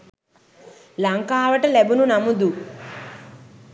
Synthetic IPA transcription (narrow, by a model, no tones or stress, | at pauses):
lɐŋkaːʋɐʈɐlebununɐmud̪u